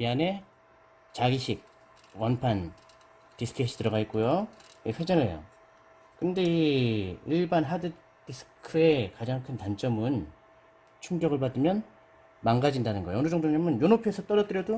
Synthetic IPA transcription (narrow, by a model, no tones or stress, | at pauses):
iane̞ | t͡ɕaɡiɕʰik̚ | wʌnpʰan | tis͈ʰɯ̥kʰeɕʰi̥tɯɾʌɡaik͈ujoisʰed͡ʑʌnejo̰ | kɯnde̞iiɭbanɦadɯ | tisʰɯ̥kʰɯe̞kad͡ʑaŋkʰɯntant͡ɕ͈ʌmɯn | t͡ɕʰuŋɡjʌɡɯɭpadɯmjʌn | maŋɡad͡ʑindanɯnɡʌjeʌnud͡ʑʌŋdoŋɲʌmɯnjonopʰiesʰʌt͈ʌɾʌt͈ɯɾjʌdo